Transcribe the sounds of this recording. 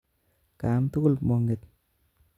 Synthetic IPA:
ka˨˦mtʊ˦kʊ˦˨lmɔ˨ŋɡe˨t̚

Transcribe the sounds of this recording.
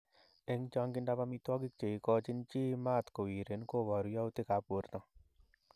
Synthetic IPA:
e˦ŋt͡ʃa˦ŋɡɪ˦nda˦pa˧mi˦t̪wɔ˦ɡi˦k̚t͡ʃe˨i˨˦kɔ˦t͡ʃɪ˦nt͡ʃi˦ma˦˨t̪ko˨wi˨ɾe˨˦nko˦wɔ˨ɾu˦ja˦u˦t̪i˦ka˨˦po˨˦ɾt̪ɔ˨

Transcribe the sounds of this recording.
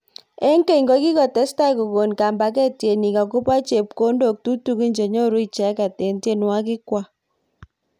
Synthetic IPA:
ɛ˦ŋke˦i˨ŋɡɔ˦ki˦kɔ˨tɛ˦sta˦˨ko˨ko˨nka˨mba˨˦k̬ɛ˦tje˨ni˨ka˨ko˦pa˦t͡ʃe˨p̚ko˦ndo˨k̚tu˦tu˦ki˦ɲd͡ʒe˨ɲo˦ɾu˦i˦˨t͡ʃɛ˨˦ka˨tɛ˨nte˦nwwa˦k̬ɪ˦kwa˦

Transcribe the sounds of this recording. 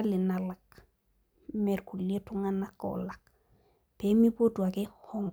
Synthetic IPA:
li˨na˨la˨k | mɛ˨ɾku˨le˦tu˦ŋana˦kːɔ̰la˨k̚ | pe˦mi˦po˦tu˨a˨ke˦hɔ˦ŋ

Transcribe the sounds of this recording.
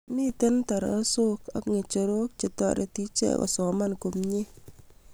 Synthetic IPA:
mɪ˦t̪e˦nt̪ɔ˨ɾɔ̰˨˦so˦ka˦kŋe˨t͡ʃo˨ɾo˦k̚t͡ʃe˨tɔ̰˦ɾḛ˨ti˦t͡ʃḛ˦˨kɔ̰˨sɔ˨ma˦nko˨mɲe˦

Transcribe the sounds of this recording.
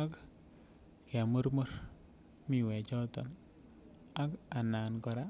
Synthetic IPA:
a˦k | kɛ˨mo˦ɾmɔ˦r | mi˨wɛ˨t͡ʃɔ˦tɔ˨n | a˦ka˨na˨nkɔ˨ɾa˦

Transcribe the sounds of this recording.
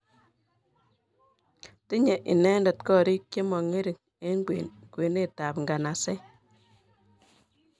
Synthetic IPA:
ti˦ɲe˨ʔi˨nɛ˦ndɔ˨tkɔ˦˨ɾi˦k̚je˦mɔ˨ŋe˦ɾi˨n | e˦ŋɡwḛkwe˨ne˦ta˨pŋɡa˨na˨sɛ˦

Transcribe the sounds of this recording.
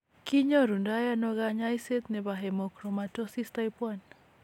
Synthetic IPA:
ki˦ɲo˦ɾu˨nda˦ja˦nɔɡaɲajse˦t̪nɛ˨baɦɛmɔ˨kɾɔ˨mato˦si˦stajpwan

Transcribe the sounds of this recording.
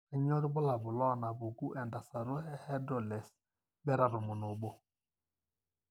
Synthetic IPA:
a˨ɲɔ˦ɾɪ˦bɔ˦la˨bʊ˨lɔ˦na˨bʊ˨ɡu˦ʔɛ˨nda˨sa˨ɾo˦ɛ˦hɛ˦dɔ˨lɛ˨s | bɛ˦ɾa˨ɾʊ˨mʊ˨nʊ˨bo˦

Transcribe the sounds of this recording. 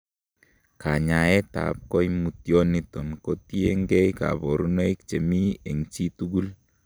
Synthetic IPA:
ka˨ɲa˨ɛ˦ta̰˨p̚kɔ˦jmu˨tjɔ˦ni˦tɔ˨nkoti˦e˦ŋɡɛ˦jka̰˨bɔ˨ɾu˦ne˦i˦k̚t͡ʃe˨mi˦ɛ˨ŋt͡ʃi˦tu˦ɡu˦l

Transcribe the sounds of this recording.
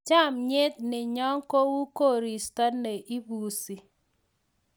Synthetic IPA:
t͡ʃa˦˨mɲɪ˦t̚nɪ˨ɲɔ˦ŋko˦wu˦ko˦˨ɾi˨stɔ˦tne˨ʔi˦buː˨si˨

